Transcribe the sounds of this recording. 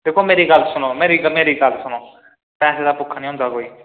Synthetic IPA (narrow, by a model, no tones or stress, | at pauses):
d̪eːkʰoːmeːɾiːɡəlːsʊnõːmeːɾiːɡmeːɾiːɡəlsʊnõː | pɛːseːd̪aːpʊkʰːaːnĩːɦʊ̃nd̪aːkoːiː